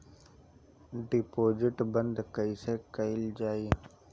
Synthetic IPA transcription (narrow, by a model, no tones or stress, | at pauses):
ɖɪpoːd͡ʒɪʈbənd̪kəiseːkəɪld͡ʒaːiː